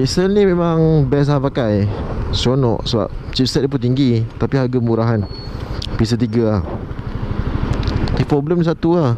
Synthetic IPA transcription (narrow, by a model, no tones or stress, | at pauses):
isəlnimẽmaŋbɛs̬aɦapakajsonɔ̰ʔsəba̰p̚t͡ʃip̚sɛt̪̚lip̬unt̪̬iŋɡit̪apiɦaɡaməuɾaɦan | pis̬ət̪iɡaah | t̪ipɾɔbləmdisat̪ua